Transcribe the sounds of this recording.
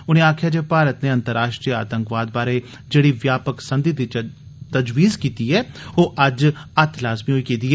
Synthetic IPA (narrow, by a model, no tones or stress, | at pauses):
ʊnẽːaːkʰjaːd͡ʒeːpaːɾət̪neːɐ̃nt̪əɾaːʃʈɾijəa̰ːt̪ə̃ŋkʋaːd̪̚baːɾe | d͡ʒeːɽiʋjaːpəksə̃nd̪id̪it͡ʃ | t̪əd͡ʒʋiːzkiːt̪iɦɛːoːʔɐd͡ʒɐt̪laːzmiɦoiːkiːd̪iːɦɛː